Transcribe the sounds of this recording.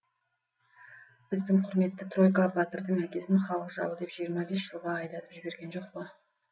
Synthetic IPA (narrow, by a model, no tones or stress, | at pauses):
b̥ɪzd̪ɪŋqʰʊɾme̞t̪ːɪt̪ʰro̞jkabat̪əɾd̪əɴækʲe̞sɪnχɑwəʒɑ̰wəd̪e̞pʒ̥ijəɾmɑbe̞sʒəlˠʁɑɑjd̪ɑt̪əpʒɪbe̞ɾɡʲe̞nʒo̞q̚pə